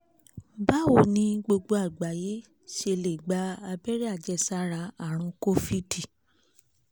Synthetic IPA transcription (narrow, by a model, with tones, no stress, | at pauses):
ba˦wo˨nĩ˧ɡ͡bo˧ɡ͡bo˧a˨ɡ͡ba˨je˨˦ | ʃe˧le˨ɡ͡ba˧˦a˧bɛ˦ɾi˦a˦˨d͡ʒɛ˧˨sa˦ɾa˧a˦˨ɾ̃ũ˧ko˦fi˦ti˨